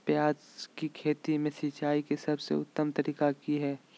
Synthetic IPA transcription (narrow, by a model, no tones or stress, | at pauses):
pjaːd͡ʒkikʰeːt̪imẽsit͡ʃaːikesɐbsḛʊ̰t̪ːəmt̪əɾiːkakiɦɛː